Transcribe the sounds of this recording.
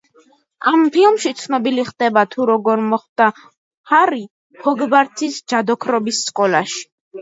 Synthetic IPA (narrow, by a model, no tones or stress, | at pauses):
ampʰilˠmʃit̪sʰnɔbiliχd̪̥ɛbat̪ʰuɾɔɡɔɾmɔχd̪̥a | haɾi | pʰɔɡbaɾt̪ʰisd͡ʒad̪ɔkʰɾɔbisːkʼɔlaʃi̥